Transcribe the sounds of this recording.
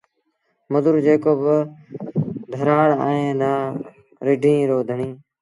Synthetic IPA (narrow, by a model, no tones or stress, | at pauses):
məd̪ʊɾd͡ʒeːkoːb | d̪ʱəɾaːɽa̰ːẽːnaː | ɾɪɖʱĩːɾoːd̪ʱəɳĩː